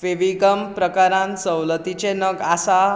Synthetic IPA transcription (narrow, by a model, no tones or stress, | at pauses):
ʋeʋiɡəmpɾəkaɾãnsəwlət̪it͡ɕenəɡasa